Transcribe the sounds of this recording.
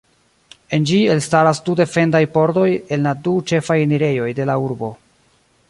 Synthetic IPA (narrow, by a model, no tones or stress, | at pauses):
e̞nd͡ʒie̞lstaɾasdude̞fe̞ndajpo̞ɾdo̞je̞nladut͡ʃe̞fajniɾe̞jo̞jde̞lauɾbo̞